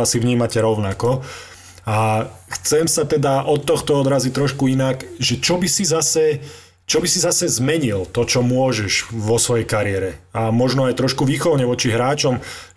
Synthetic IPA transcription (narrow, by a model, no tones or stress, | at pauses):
asiʋɲiːmacɛɾɔʊnakɔ | axt͡sɛmsat̪ɛd̪aʔɔt̪ːɔxt̪ɔɔd̪ɾazit̪ɾɔʃkuinakʒɛt͡ʃɔbisizasɛ | t͡ʃɔbisizasɛzmɛɲilt̪ɔt͡ʃɔmʊɔʒɛʒʋɔsʋɔjɛjkaɾɪɛɾɛamɔʒnɔajt̪ɾɔʃkuʋiːxɔlɲɛʋɔt͡ʃiɦɾaːt͡ʃɔm